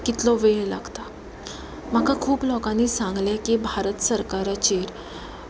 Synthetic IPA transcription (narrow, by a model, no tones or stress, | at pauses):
kit̪lɔʋeɭla̰ɡt̪a | m̤akakʰuːplɔkãnisãŋɡlakibʱaɾət̪səɾkaɾat͡ɕeɾ